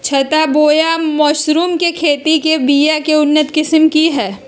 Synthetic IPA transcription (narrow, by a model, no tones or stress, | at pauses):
t͡ʃʰɐt̪aboːjamɔːʃɾuːmkekʰeːt̪ikebiːjakeʊnːət̪kɪsmkiɦɛː